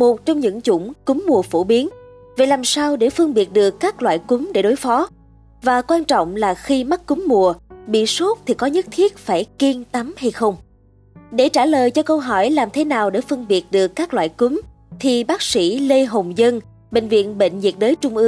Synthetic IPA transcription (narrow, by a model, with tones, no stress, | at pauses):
mo˨˩t̚t͡ɕɔ˧wŋ͡mɲɨ̰˧˥ŋt͡ɕʊ̰˧˩ŋ͡mkʊ˨˦mːu˨˩əfo˧˩ɓi˨˦ən | va˨˩jlaː˨˩msaː˧wɗe˧˩fɨ˧əŋɓi˨˩ət̚ɗɨ˨˩əkːaː˦˥k̚lwa̰ː˧˨jkʊ˨˦mɗe˧˩ɗo˨˦jfɔ˨˦ | vaː˨˩kwaː˧nt͡ɕɔ̰˧˨wŋ͡mlaː˨˩xi˧ma˦˥t̚kːʊ˨˦mmu˨˩əɓḭ˧˨so˦˥t̚t̪ʰi˨˩kɔ˨˦ɲɨ˦˥t̚t̪ʰi˦˥ət̚faː˧˩jki˧ŋt̪a˨˦mha˧jxə˧wŋ͡m | ɗe˧˩t͡ɕaː˧˩ləː˨˩jt͡ɕɔ˧kə˧wɦɔ˧˩jlaː˨˩mt̪ʰe˨˦naː˨˩wɗe˧˩fɨ˧əŋɓi˨˩ət̚ɗɨ˨˩əkːaː˦˥k̚lwa̰ː˧˨jkʊ˨˦m | t̪ʰi˨˩ɓaː˦˥k̚sḭ˧˥le˧ɦo˨˩ŋ͡mzə˧n | ɓḛ˧˨ŋ̟vḭ˧˨ənɓḛ˧˨ŋ̟zi˨˩ət̚ɗəː˨˦jt͡ɕʊ˧ŋ͡mʔɨ˧ŋ